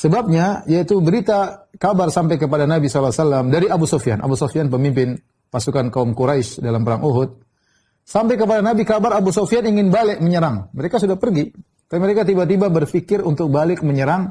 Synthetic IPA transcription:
səbap̚ɲajait̪ubəɾit̪akabarsampajkəp̬adanabisalasalamdaɾiabusofia̰nʔa̰busofianpəmimpɪn | pasukankaumkuɾaiʃdalampəɾaŋuɦʊt̪̚ | sampajkəp̬adanabikabaɾabusofianiŋɪnbalɛk̚məɲəɾaŋməɾekasudahpərɡi | kaiməɾekat̪̬ibat̪ibabərfikɪrunt̪ʊk̚balɪk̚məɲəɾaŋ

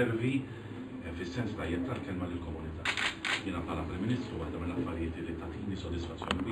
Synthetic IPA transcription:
ɛɾvi | fɪsːɛnst̪ɐjːɛp̚t̪ːɐlkɛlmɐlɪlkɔmʊnɪt̪ɐːjɪːnɐpħɐːlɐpɾɪmːɪnɪːst̪ɾuwɐħd̪ɐmɪlːɐfːɐɾjɪːt̪ɪlːit̪ɐt̪ijnisɔd̪ɪsfɐt͡sːjɔːnim

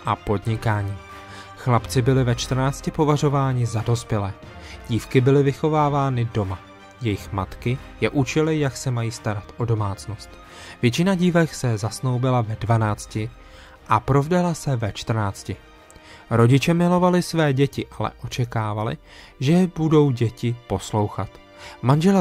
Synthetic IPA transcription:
ʔapo̞dɲɪkaːɲiː | xlapt͡sɪbɪlɪvɛt͡ʃt̪r̩naːt͡scɪpo̞var̝o̞vaːɲɪzado̞spjɛlɛː | ɟiːfkɪbɪlɪvɪxo̞vaːvaːnɪdo̞ma | jɛjɪxmat̪kɪ | jɛʔut͡ʃɪlɪjaksɛmajiːst̪aɾat̪ʔo̞do̞maːt͡sno̞st̪ | vjɛt͡ʃɪnaɟiːvɛksɛzasno̞wbɪlavɛdvanaːt͡scɪ | ʔapɾo̞vdalasɛvɛt͡ʃt̪r̩naːt͡scɪ | ɾo̞ɟɪt͡ʃɛmɪlo̞valɪsvɛːɟɛcɪʔalɛ̰ʔo̞t͡ʃɛkaːvalɪ̰ | ʒɛbudo̞wɟɛcɪpo̞slo̞wxat̪ | manʒɛl

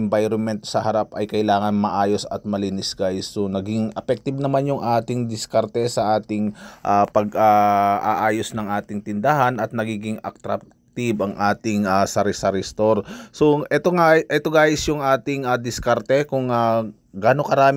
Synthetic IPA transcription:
ɛmbajɾonmɛnt̪sɐhɐɾapʔɐjkɐɪlaːŋɐnmɐʔaːjo̞sɐ̰t̪̚mɐlinɪsɡajsːonɐɡɪŋɐpɛk̚t̪ɪb̚nɐmanjʊŋʔaːt̪ɪŋd̪ɪskɐɾt̪ɛsɐʔaːt̪ɪŋʔapɐɡʔaʔa̰ʔaːjosnɐŋʔaːt̪ɪŋt̪ɪnd̪ahɐnʔɐt̪̚nɐɡiːɡɪŋɐ̰k̚t̪ɾak̚ | t̪ɪbʔɐŋʔaːt̪ɪŋasɐɾɪsɐɾɪst̪oɾso̞ʔɛt̪oŋaʔɛt̪oɡaːjɪsjʊŋʔaːt̪ɪŋɐd̪ɪskaɾt̪ɛkʊŋa | ɡaːnokɐɾaːm

